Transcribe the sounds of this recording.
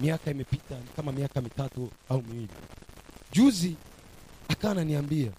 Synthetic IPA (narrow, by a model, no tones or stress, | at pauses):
miakaimɛpitanikamamiakamitatuaumiwilḭʄuzi | akaananiambia